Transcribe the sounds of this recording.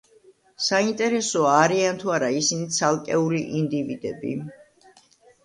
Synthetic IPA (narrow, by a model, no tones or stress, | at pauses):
saint̪ʼɛɾɛsɔaːɾiant̪ʰuaɾaisinit̪sʰalˠkʼɛuliʔind̪ivid̪ɛbḭ